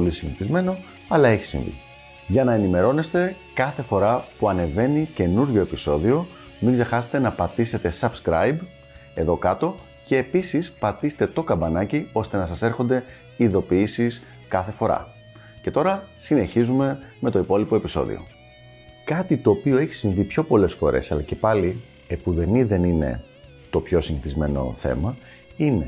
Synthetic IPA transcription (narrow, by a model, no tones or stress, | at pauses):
polisiniθizme̞no̞ | ɐlɐe̞çi̥sḭɱvḭ | ʝɐnɐenime̞ɾo̞ne̞st̪e̞ | kɐθe̞fo̞ɾɐpuɐne̞ve̞nice̞nuɾʝo̞e̞piso̞ðio̞ | miŋɡze̞xɐset̪e̞nɐpɐt̪ise̞t̪e̞sɐbskɾɐ̰jb | e̞ðo̞kɐt̪o̞ | ce̞ːpisispɐt̪ist̪e̞t̪o̞kɐbɐnɐcio̞st̪e̞nɐsɐse̞ɾxond̪e̞ | iðo̞piisis | kɐθe̞fo̞ɾɐ̰ | ce̞t̪o̞ɾɐsine̞çizume̞me̞t̪o̞ipo̞lipo̞e̞piso̞̰ðḭo̞̰ | kɐt̪it̪o̞ːpio̞e̞çi̥sinvipço̞po̞le̞sfo̞̰ɾʔe̞sɐ̰lɐce̞pɐli | epuðe̞niðe̞nine̞̰ | t̪o̞pço̞siɲiθizme̞no̞̰θe̞̰mɐ | ine̞